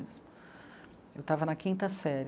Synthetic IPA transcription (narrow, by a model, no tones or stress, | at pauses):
s | ewt̪avɐnɐkĩnt̪ɐsɛɾ